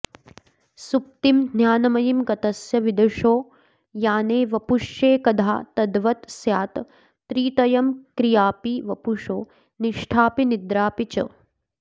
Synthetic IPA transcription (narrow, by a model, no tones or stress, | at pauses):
sup̚t̪imd̪ʱnjaːnɐmɐjimɡɐt̪ɐsjɐʋid̪ɐʂoː | jaːneːʋɐpuʂeːkɐd̪ʱa̰ːt̪ɐd̪ʋɐt̪sjaːt̪ | t̪ɾiːt̪ɐjɐmkɾijaːpiʋɐpuʂo̰ː | niʂʈʰaːpinid̪ɾaːpit͡ʃɐ̰